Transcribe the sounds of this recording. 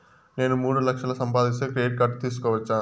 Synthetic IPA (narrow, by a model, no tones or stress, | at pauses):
ne̞ːnumuːɽulɐkʂɐlɐsɐmpaːd̪ist̪ekɾijeʈ̚kɐɾʈt̪iːs̬u̥kɔːʋɐt͡ʃːaː